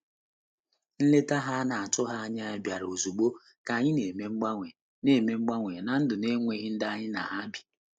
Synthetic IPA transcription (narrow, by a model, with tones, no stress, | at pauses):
n̩˦le˦ta˦ɦa˦na˨a˨tʊ˦ɦa˦a˦ɲ˦a˦bja˨ɾo˨zu˨ɡ͡bo˦ | ka˨ɲɪ˦ne˨me˦ŋ͡m̩˦ɡ͡ba˦ŋʷe˨ | ne˨me˨ŋ͡m̩˦ɡ͡ba˦ŋʷe˨na˨n̩˦dʊ˨ne˦ŋʷe˦ɣɪ˦n̩˦da˦ɲɪ˦na̰˨ɦa˦bi˨